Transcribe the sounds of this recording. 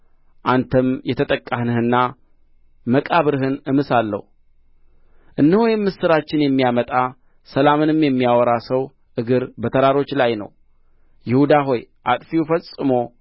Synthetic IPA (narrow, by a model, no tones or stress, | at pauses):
ʔant̪ʰəmjɛt̪ʰət̪ʼəkʼːahnɨhɨnːa | məkʼaβɨɾɨɦɨnɨmɨsalːə̰hu | ʔɨnːɨhujɛmːɨsɨɾat͡ʃːɪnjɛmːijamət̪ʼa | səlamɨnɨmjɛmːijawɔɾasəw | ʔɨɡɨɾbət̪ʰəɾaɾo̞t͡ʃːlajnə̰w | jɪhud̪aɦo̞jʔa̰t̪ʼfiufəsʼːɨmo̞